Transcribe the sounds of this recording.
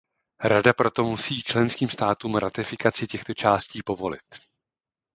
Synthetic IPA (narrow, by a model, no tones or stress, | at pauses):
ɾadapɾo̞t̪o̞musiːt͡ʃlɛnskiːmst̪aːt̪uːmɾat̪ɪfɪkat͡sɪcɛxt̪o̞t͡ʃaːsciːpo̞vo̞lɪ̰t̪